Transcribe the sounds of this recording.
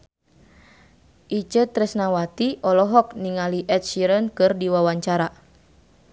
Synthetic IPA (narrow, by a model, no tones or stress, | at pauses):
ʔit͡ʃət̪ɾɛsnawat̪iʔɔlɔɦɔk̚niŋaliʔɛt̪̚ʃiɾənkɨrdiwawaɲt͡ʃaɾa